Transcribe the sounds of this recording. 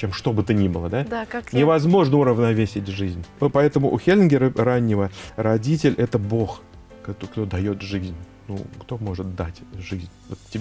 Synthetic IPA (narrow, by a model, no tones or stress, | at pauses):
t͡ɕemʂt̪o̞bɨt̪ənʲibɨlˠəd̪ad̪aanʲɪvɐzmo̞ʐnəʊɾəvnɐvʲesʲɪtʲʐɨzʲnʲvopɐɛt̪əmʊʔʊxʲelʲɪnɡʲɪɾəranʲːɪvəɾɐdʲitʲɪlʲʔɛt̪əbo̞x | kt̪okt̪o̞d̪ɐjo̞t̪ʐɨzʲnʲnṵkt̪o̞mo̞ʐɨt̪̚d̪atʲʐɨzʲnʲvot̪tʲːɪb